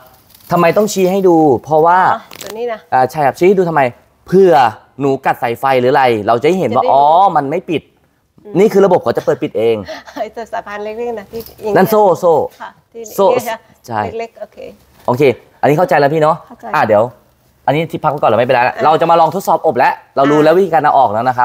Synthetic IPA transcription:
t̪ʰa˧mːa˧jt̪ɔ˥˩ŋt͡ɕʰiː˧˥ɦa˥˩jduː˧pʰɔ˦˥waː˥˩˧ | ʔaː˧˩t͡ɕʰa˥˩jkʰa˦˥p̚t͡ɕʰiː˧hduː˧t̪ʰmːa˧j | pʰɯ˧˩ɐ | nuː˩˦ka˨˩t̪̚sa˨˩˦jfa˧jlɯː˩˦˧ɾa˧jɾa˧wt͡ɕa˨˩ha˥˩jɦe˩˦nwaː˧˦˩ʔɔː˨˦ma˧nma˥˩jpi˨˩t̪̚ | niː˥˩kʰɯː˧ɾla˧bo˨˩p̚kʰɔː˩˦t͡ɕa˨˩pɤː˨˩t̪̚pi˨˩t̪̚ʔeː˧ŋː˨˧˦ | kːna˥˩nsoː˧˥˩soː˧˩ | soː˧˩ | t͡ɕʰa˥˩jo˧ | ʔoː˧kʰeː˧ | ʔa˧nːiː˦˥kʰt͡ɕa˧jlɛ˦˥pʰiː˥˩nɔ˦˥ʔaː˧˩diː˩˦ə˦w | ʔa˧nːiː˦˥t̪ʰi˦˥˩pʰa˦k̚pːkɔː˨˩lːma˥˩pa˧˩laː˦˥la̰˧˩ɾa˧wt͡ɕa˨˩maː˧lɔː˧ŋt̪ʰo˦˥t̪sɔː˨˩p̚ʔo˨˩p̚lɛ˦˥ʔla˧wduː˧lɛː˧˦˥wi˦˥iː˧a˧nla˧wʔɔː˨˩k̚lɛː˨˦˥wna˦˥kʰa˦˥p̚

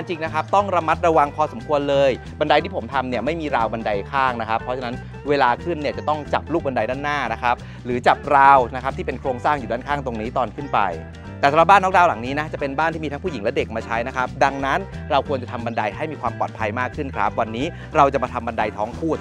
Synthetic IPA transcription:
a˧ŋt͡ɕi˧ŋna˦˥kʰa˦˥p̚t̪ɔ˥˩ŋɾa˧ma˦˥t̪̚ɾa˧wa˧ŋpʰɔː˧so˩˦mkʰu˧ənlɤː˧j | ba˧nda˧jt̪ʰiː˥˩pʰo˩˦mt̪ʰa˧mni˥˩ɐma˥˩jmiː˧ɾaː˧wba˧nda˧jkʰaː˥˩ŋna˦˥kʰa˦˥pʰːɔ˦˥t͡ɕʰa˧na˦˥n | weː˧laː˧kʰɯ˥˩nːi˥˩ɐt͡ɕa˨˩t̪ɔ˥˩ŋt͡ɕa˨˩p̚luː˥˩k̚ba˧nda˧jdaː˥˩nːaː˥˩na˦˥kʰɾa˦˥p̚ | ɾɯː˩˦t͡ɕa˨˩p̚ɾaː˧wna˦˥kʰa˦˥t̪ʰiː˥˩pe˧nkʰɾoː˧ŋsaː˥˩ŋjuː˨˩daː˥˩nkʰaː˥˩ŋt̪o˧ŋniː˦˥t̪ɔː˧nkʰɯ˥˩npa̰˧j̪ | ɛ˨˩sa˨˦ɾ̚aː˥˩nːɔ˦˥daː˧wla˨˩˦ŋniː˦˥na˦˥t͡ɕa˨˩pe˧nbaː˥˩nt̪ʰiː˥˩iː˧t̪a˦˥pʰu˥˩i˩˦ŋlɛ˦˥de˨˩k̚maː˧t͡ɕʰa˦˥jna˦˥kʰa˦˥p̚da˧ŋna˦˥nɾa˧wkʰu˧ənt͡ɕa˨˩t̪ʰa˧mba˧nda˧jɦa˥˩jmiː˧kʰwaː˧mpɔː˨˩t̪̚pʰa˧jmaː˥˩kʰːɯ˥˩nkʰɾa̰˦˥p̚wa˧nːiː˦˥ | ɾa˧wt͡ɕa˨˩maː˧t̪ʰa˧mba˧nda˧jt̪ʰɔː˦˥ŋkʰuː˥˩t̪̚

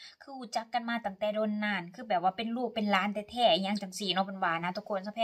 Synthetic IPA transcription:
kʰɯː˧˨uː˧˩t͡ɕa˧˦˥kːa˧˨nmaː˧t̪a˨˧˦ŋt̪ɛː˧˩doː˧nːaː˧˩˨nkʰɯː˧˩bɛː˨˩p̚waː˧˩pe˨nluː˥˩k̚pe˨nlaː˧˥nt̪ɛː˧˩t̪ʰɛː˧˩˧ɲa˧˩ŋt͡ɕa˨˦ŋsiː˨˩nɔ˧˩pe˨nwaː˧˩naː˧˩t̪ʰu˧˦kʰo˧˨nsa˧pʰɛː˧

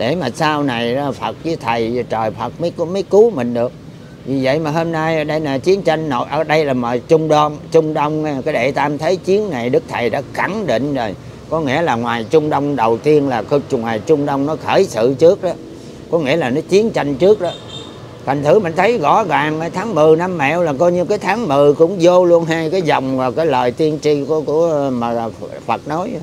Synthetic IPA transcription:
ɗe˧˩maː˨˩saː˧wna˨˩ja˨˩fə˨˩t̚vɨ˨˦t̪ʰə˨˩jt͡ɕəː˨˩jfə˨˩t̚mə˨˦jkmə˨˦jku˨˦mï˨˩ŋ̟ɗɨ˨˩ək̚ | vi˨˩və̰˧˨jmaː˨˩ɦo˧mnaː˧jʔə˧˦ɗə˧jlaː˨˩t͡ɕi˨˦ənt͡ɕa˧jŋno˨jʔəː˧˨˩ɗə˧jlaː˨˩məː˨˩jt͡ɕʊ˧ŋ͡mɗɔ˧nt͡ɕʊ˧ŋ͡mɗə˧wŋ͡mkaː˨˦jɗe˧˩t̪aː˧mt̪ʰə˨˦jt͡ɕi˨˦ənna˨˩jɗɨ˦˥k̚t̪ʰə˨˩jɗa̰ː˧˥xa˧˩ŋɗḭ˧˨ŋ̟zo˨˩j | kɔ˨˦ŋḭ˧˥əlaː˨˩ŋwaː˨˩jt͡ɕʊ˧ŋ͡mɗə˧wŋ͡mɗə˨˩wt̪i˧ənlaː˨˩kŋwaː˨˩jt͡ɕʊ˧ŋ͡mɗə˧wŋ͡mnɔ˨˦xəː˧˩jsɨ̰˧˨t͡ɕɨ˦˥ək̚ɗɔ˨˦ | kɔ˨˦ŋḭ˧˥əlaː˨˩nɔ˨˦t͡ɕi˨˦ənt͡ɕa˧jŋ̟t͡ɕɨ˦˥ək̚ɗɔ˨˦ | t̪ʰa˨˩ŋ̟t̪ʰɨ˨˧˩mï˨˩ŋ̟t̪ʰə˨˦jɣɔ˧˩˦ɣaː˨˩ŋː˨˩t̪ʰaː˨˦ŋmɨ˨˩na˧mːɛ̰˧˥˨wlaː˨˩kɔ˧jɲɨ˧kaː˨˦jt̪ʰaː˨˦ŋmɨ˨˩kʊ̰˧˥ŋ͡mzo˧lu˧ənɦaː˧jkaː˨˦jzɔ˨˩wŋ͡mmaː˨˩kaː˨˦jləː˨˩jt̪i˧ənt͡ɕi˧kku˧˩əma˨˩˨ | fə˨˩t̚no˨˦j

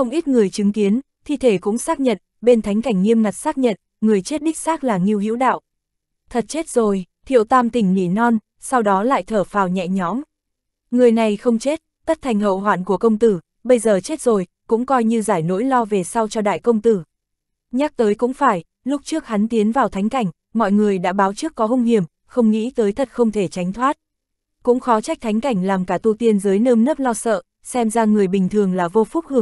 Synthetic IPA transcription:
xə˧wŋ͡mʔi˦˥t̚ŋɨ˨˩əjt͡ɕɨ˨˦ŋki˨˦ən | t̪ʰi˧˩t̪ʰe˧˩kʊ̰˧˥ŋ͡msaː˦˥k̚ɲə̰˧˨n | ɓe˧nt̪ʰa˨˦jŋ̟ka˧˩jŋ̟ŋːi˧əmŋa˨˩t̚saː˦˥k̚ɲə̰˧˨n | ŋɨ˨˩əjt͡ɕe˦˥t̚ɗi˦˥k̟̚saː˦˥k̚laː˨˩ŋi˧əwhḭ˧˥wɗa̰ː˧˨wʔ | t̪ʰə˨˩t̚t͡ɕe˦˥t̚zo˨˩jt̪ʰḭ˧˨əwt̪aː˧mt̪ï˨˩ŋ̟nḭ˧˩nɔ˧n | sa˧wɗɔ˨˦la̰ː˧˨jt̪ʰəː˧˩faː˨˩wɲɛ̰˧˨ɲɔ˨˦m | ŋɨ˨˩əjna˨˩jxə˧wŋ͡mt͡ɕe˦˥t̚t̪ə˦˥t̚t̪ʰa˨˩jŋɦə̰˧˨wɦwaː˧˩nku˧˩əkə˧wŋ͡mt̪ɨ˧˩ | ɓə˧jzəː˨˩t͡ɕe˦˥t̚zo˨˩jkʊ̰˧˥ŋ͡mkɔ˧jɲɨ˧zaː˧˩jno̰˧˥jlɔ˧ve˨˩sa˧wt͡ɕɔ˧ɗa̰ː˧˨jkə˧wŋ͡mt̪ɨ˧˩ | ɲaː˦˥k̚t̪əː˨˦jkʊ̰˧˥ŋ͡mfaː˧˩j | lʊ˦˥k͡p̚t͡ɕɨ˦˥ək̚ha˨˦nt̪i˨˦ənvaː˨˩wt̪ʰa˨˦jŋ̟ka˧˩jŋ̟ | mɔ̰˧˨jŋɨ˨˩əjɗa̰ː˧˥ɓaː˨˦wt͡ɕɨ˦˥əkːɔ˨˦ɦu˧ŋ͡mhi˨˩əm | xə˧wŋ͡mŋḭ˧˥t̪əː˨˦jt̪ʰə˨˩t̚xə˧wŋ͡mt̪ʰe˧˩t͡ɕa˨˦jŋ̟t̪ʰwaː˦˥t̚ | kʊ̰˧˥ŋ͡mxɔ˨˦t͡ɕa˦˥jk̚t̪ʰa˨˦ŋ̟ka˧˩jŋ̟laː˨˩mkaː˧˩t̪u˧t̪i˧ənzəː˨˦jnəː˧mnə˦˥p̚lɔ˧sə̰ː˧˨ | sɛ˧mzaː˧ŋɨ˨˩əjɓï˨˩ŋ̟t̪ʰɨ˨˩əŋlaː˨˩vo˧fʊ˦˥k͡p̚hɨ˧əŋ

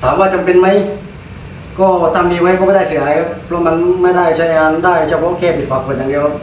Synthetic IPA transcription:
t̪ʰaː˨˦mwaː˧˥˩t͡ɕa˧mpe˧nma˦˥j | kɔː˥˩t̪ʰa˧miː˧ma˦˥jkɔː˥˩ma˥˩da˥˩js̬ɯ˨˦˨aː˨˦jkʰa˦˥ppʰlɔ˦˥ma˧nma˥˩jda˥˩jt͡ɕʰa˦˥˧ŋaː˧ndaː˥˩jt͡ɕa˧˩pʰɔ˧˥ʔo˧˩kʰɛː˧˩pʰi˨˩t̪̚faː˨˩k̚pʰo˨˧˩nt̪a˧˩ndi˧kʰa˧˥

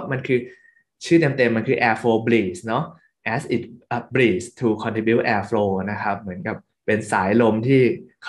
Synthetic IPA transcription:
ma˧nkʰɯː˧ | t͡ɕʰɯː˥˩t̪e˧mt̪e˧mːa˧nkʰɯː˧ʔɛː˧fʰloː˧bliː˨˩snɔ˦˥ | ʔɛː˧˥sʔi˨˩t̪̚ʔəː˨˩bliː˨˩st̪ʰuː˧kʰɔ˧nt̪ʰi˧bi˦˥wʔɛː˧fʰloː˧na˦˥kʰa˦˥p̚mɯ˩˦ənka˨˩p̚ːe˧nsaː˩˦jlo˧mt̪ʰiː˥˩kʰ

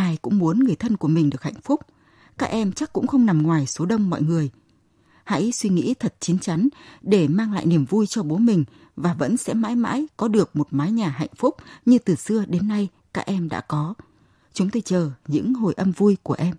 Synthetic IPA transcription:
ʔaː˧˩jkʊ̰˧˥ŋ͡mmu˨˦ənŋɨ˨˩əjt̪ʰə˧nku˧˩əmï˨˩ŋ̟ɗɨ˨˩ək̚ha̰˧˨ŋ̟fʊ˦˥k͡p̚ | kaː˦˥k̚ʔɛ˧mt͡ɕa˦˥k̚ːʊ̰˧˥ŋ͡mxə˧wŋ͡mna˨˩mŋwaː˨˩jso˨˦ɗə˧wŋ͡mːɔ̰˧˨jŋɨ˨˩əj | ha̰˧˥jswi˧ŋḭ˧˥t̪ʰə˨˩t̚t͡ɕi˨˦nt͡ɕa˨˦ŋ̟ɗe˧˩maː˧ŋla̰ː˧˨jni˧˩əmvu˧jt͡ɕɔ˧ɓo˨˦mï˨˩ŋ̟ | vaː˨˩və̰˧˥nsɛ̰˧˥ma̰ː˧˥jma̰ː˧˥jkɔ˨˦ɗɨ˨˩ək̚mo˨˩t̚maː˨˦jɲaː˨˩ɦa̰˧˨jŋ̟fʊ˦˥k͡p̚ɲɨ˧t̪ɨ˨˩sɨ˧əɗe˨˦nːa˧j | kaː˦˥k̚ʔɛ˧mɗa̰ː˧˥kɔ˨˦ | t͡ɕʊ˨˦ŋ͡mt̪o˧jt͡ɕəː˨˩ɲɨ̰˧˥ŋɦo˨˩jʔə˧mvu˧jku˧˩əʔɛ˧m

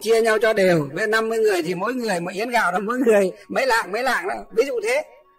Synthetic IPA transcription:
t͡ɕi˧əɲa˧wt͡ɕɔ˧ɗe˨˩wvḛ˧˦na˧mːɨ˧əjŋɨ˨˩əjt̪ʰi˨˩mo̰˧˥jŋɨ˨˩əjmə̰ː˧˦ʔi˧˦ənɣa̰ː˧˩wɗɔ˧˦mo̰˧˥jŋɨ˨˩əjmə̰˨˧˦jla̰ː˧˨ŋmə˧˥jla̰ː˧˨ŋnaː˨˦vi˨˦zṵ˧˨t̪ʰe˨˦

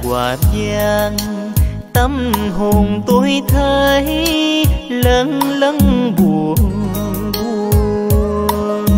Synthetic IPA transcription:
kwaː˨˩zaː˧ŋ | t̪ə˧mɦo˨˩ŋt̪o˧˦jt̪ʰəː˧j | lə˧˦ŋlə˧˦ŋɓu˨˩əŋvu˧

